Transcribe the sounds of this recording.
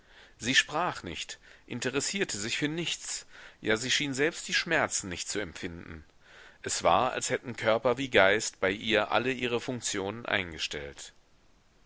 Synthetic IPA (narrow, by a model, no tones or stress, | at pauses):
z̥iːʃpʁ̥aːχnɪ̰çtʔɪ̰ntəʁɛsiːɐtʰəzɪçfyːɐnɪçt͡sjaːziːʃiːnzɛlpst̚d̥iːʃmɛɐt͡sn̩nɪçtt͡suɛmfɪndn̩ | ʔɛsv̥a̰ːɐa̰lshɛtn̩kʰœɐpɐviːɡaɪstb̥aɪʔiːɐʔa̰ləʔiːʁ̞əfʊŋk̚t͡sjoːnənʔa̰ɪnɡəʃtɛ̰lt